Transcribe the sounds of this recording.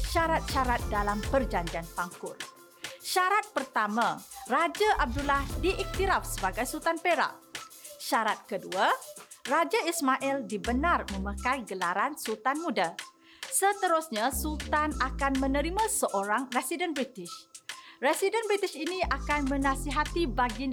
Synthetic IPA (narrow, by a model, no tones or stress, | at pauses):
ʃaɾat̪̚ʃaɾat̪̚dalampərd͡ʒaɲd͡ʒianfaŋkʊl | ʃaɾat̪̚pərt̪amãrad͡ʒaʔab̚dulahdiʔik̚t̪iɾafsəbaɡajsult̪anpeɾa̰ʔʃaɾat̪̚kəduarad͡ʒaismaʔɛldibənarmə̃makajɡəlaɾansult̪anmũda | sət̪əɾusɲãsult̪anakanmə̃nə̃ɾimãsəʔoɾaŋresidənbɾit̪ɪʃresidənbɾit̪iʃinĩakanmə̃nãsiɦat̪ibaɡi